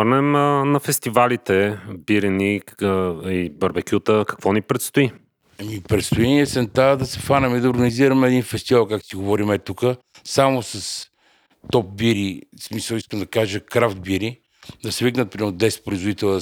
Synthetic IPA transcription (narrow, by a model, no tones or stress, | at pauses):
əɾnɛmnɐfɛst̪ivalit̪ɛbiɾini | ibɐɾbɛkʲut̪əkɐ̥kvɔnipɾɛt̪st̪ʊi | mipɾɛt̪st̪ʊɛniət̪sɛnt̪ad̪ɐsɛfanɛmid̪ɐoɾɡəniziɾəmɛɛd̪infɛst̪ivalˠkakt̪t̪iɡovɔɾimɛt̪ukə | samosɐs | t̪ɔp̚biɾismisəlˠiskəmd̪ɐkaʒəkɾaft̪̚biɾi | d̪ɐsɛviknət̪̚pɾiɛɾd̪ɛspɾoizvod̪it̪ɛlˠ